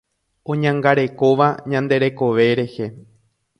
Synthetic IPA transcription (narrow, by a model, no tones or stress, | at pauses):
õ̞ɲãŋɡaɾe̞ko̞ʋaɲãnd̪e̞ɾe̞ko̞ʋe̞ɾe̞he̞